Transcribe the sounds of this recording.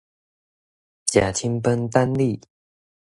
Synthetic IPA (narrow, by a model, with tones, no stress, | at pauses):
t͡ɕja̰˨˩t͡ɕʰi˥ŋpə˦nt̪a˦nli˥˩˨